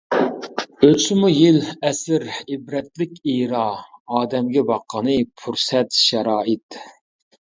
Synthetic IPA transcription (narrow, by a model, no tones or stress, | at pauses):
øt͡ʃt͡ʃmujɪlɛsɪɾɪbɾɛt̪̚lɪkʲijɾɑɑːd̪ɛmɡʲɛbɑqʰːɑnɨpʰuɾsɛt̪ʃɛɾɑːɪt̪